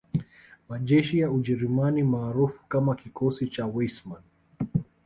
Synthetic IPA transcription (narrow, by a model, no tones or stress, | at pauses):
maʄɛʃijauʄɛɾumanimaːɾufu̥kamakikɔsit͡ʃawɛsman